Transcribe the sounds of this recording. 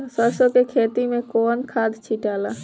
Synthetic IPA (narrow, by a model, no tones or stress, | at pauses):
səɾsokekʰeːt̪imẽkoːnkʰad̪t͡ʃʰiʈaːla